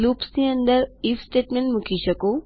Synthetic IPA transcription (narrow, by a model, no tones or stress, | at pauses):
luːpsiə̃nd̪əɾiːfsʈeːʈmẽɳʈmʊkʰiʃɐkoː